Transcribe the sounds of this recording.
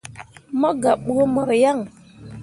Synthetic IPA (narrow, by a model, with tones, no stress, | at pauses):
mɔ˦ɡa˨ɓu˦o˦mɔ˨ɾja˦˨ŋ